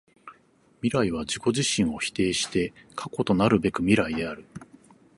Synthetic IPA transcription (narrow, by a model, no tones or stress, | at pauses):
mʲiɾaiβ̞ad͡ʑiko̞ʑiɕĩɰ̃o̞çi̥t̪e̞ːɕi̥t̪e̞kʰako̞t̪o̞naɾɯ̟be̞kɯ̟mʲiɾaid̪e̞aɾɯ̟